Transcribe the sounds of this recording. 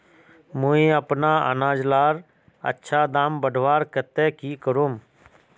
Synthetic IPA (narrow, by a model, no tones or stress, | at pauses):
mũĩəpnaːə̰nãːd͡ʒlaːɾ | ə̰tːʃʰaːd̪aːmbəɖʱʋaːɾkət̪eːkiːkəɾuːm